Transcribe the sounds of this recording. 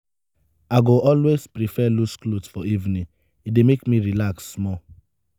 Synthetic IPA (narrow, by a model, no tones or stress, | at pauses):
aɡoʔɔlwespɾifɛlusklotfɔivnĩ | idemekmiɾilaksːmɔ